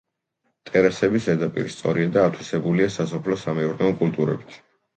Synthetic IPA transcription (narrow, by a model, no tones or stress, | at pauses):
t̪ʼɛɾasɛbisɛɾd̪apʼḭɾist̪sʼɔɾiad̪aːt̪ʰwisɛbuliasasɔpʰlɔsamɛuɾnɛɔkʼult̪ʼuɾɛ̰bit̪ʰ